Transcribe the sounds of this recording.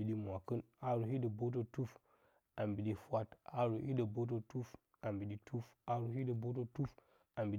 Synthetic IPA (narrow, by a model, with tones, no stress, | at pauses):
i˨ɗi˦mʷ˨a˨kɨ˦na˦ɾu˨hi˦də˨bo˦t̬o˦tu˦f | a˨mbi˨ɗi˦fwa˦ta˦ɾu˨ʔi˦də˨bo˦t̬o˦tu˦f | a˨mbi˨ɗi˦tu˦fa˦ɾu˨˦hi˦də˨bo˦t̬o˦tu˦f | a˨mbi˨